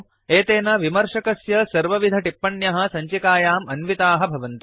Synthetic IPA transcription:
eːt̪eːnɐʋimɐɾʂɐkɐsjɐsɐɾʋɐʋid̪ʱɐʈipːɐnjɐɦɐ̆sɐɲt͡ʃikaːjaːmɐnʋit̪aːɦɐ̆bʱɐʋɐnt̪u

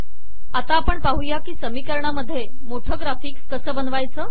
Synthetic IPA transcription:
at̪aːpəɳpaɦujakiːsəmiːkəɾɳaməd̪ʱːje | moʈʰəɡɾafiːkskəsəːbənʋajt͡səː

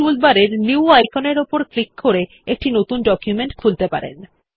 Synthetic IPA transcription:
ulbaɾeɾniwajkʰoneɾopoɾklikːoɾe | ek̚ʈinot̪unɖɔkjumeɳʈkʰult̪epa̰ɾḛn

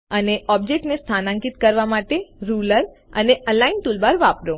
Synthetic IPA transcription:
əneɔb̚d͡ʒek̚ʈnest̪ʰanãŋkit̪̚kəɾʋamaʈeɾuləɾ | əneʔəlainʈ̪ulbaɾʋapɾo

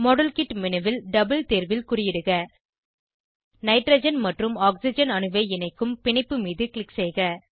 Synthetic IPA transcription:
mɔɽɐlkɪʈmɪnɐʋɪlɖɐbɐlt̪eːɾʋɪlkʊrɪjɪɽɯɣɐ | nɐɪʈɾɐd͡ʒɐnmɐʈrɯmaːksɪd͡ʒɐnɐnɯʋeɪɪnɐɪkːɯmpɪɳɪpːɯmiːðɯklɪksɛɪɣɐ

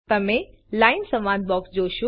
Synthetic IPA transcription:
t̪ɐmẽ | laːɪnsɐ̃mʋãːd̪̚bɔːksd͡ʑoːʃo

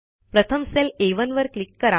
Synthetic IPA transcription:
pɾət̪ʰəmseleʋənʋəɾklikːəɾa

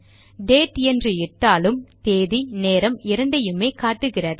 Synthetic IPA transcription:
ɖeːʈɛndrɯɪʈːaːlɯmt̪eːðineːɾɐmɪɾɐɳɖɐjɯmeːkaːʈːɯɣɪrɐɾ

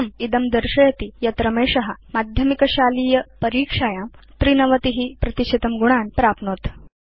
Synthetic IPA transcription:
mid̪ɐmd̪əɾɕɐjɐt̪ijat̪ɾɐmeːʂɐɦɐmad̪ʱjɐmikɐɕaːliːjɐpɐɾiːkʂajaːmt̪ɾiːnɐʋɐt̪iɦiːpɾɐt̪iɕet̪ɐmɡuɽ̃aːnpɾaːpnot̪

